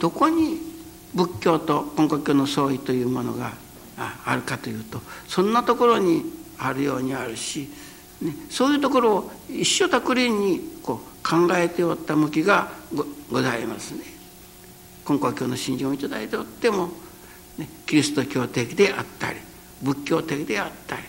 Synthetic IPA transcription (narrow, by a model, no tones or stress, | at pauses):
d̪̥o̞ko̞ɲ̟i | bɯ̟kʲːo̞ːt̪o̞kõ̞ŋkokʲo̞ːnoso̞ːit̪o̞jɯ̟ːmo̞no̞̰ɡa̰ː | ɾɯ̟kat̪o̞jɯ̟ːt̪o̞sõ̞nːat̪o̞ko̞ɾo̞ɲ̟iaɾɯ̟jo̞ːɲ̟iaɾɯ̟ɕi | ne̞so̞ːjɯ̟ːt̪o̞ko̞ɾo̞ːiɕːo̞t̪akɯ̟ɾʲiɲ̟ːiko̞ː | kʰãŋɡae̞t̪eot̪ːamɯ̟kʲiɡa | ɡo̞zaimasɨne | kõ̞ŋkoːkʲo̞ːno̞ɕĩɲ̟d͡ʑĩoit̪ad̪ait̪eot̪ːe̞mo̞ | ne̞kʲiɾʲisɨ̥t̪o̞kʲo̞ːt̪e̞kʲid̪e̞ʔat̪ːa̰ɾʲi | bɯ̟kʲːo̞ːt̪e̞kʲid̪e̞at̪ːaɾʲi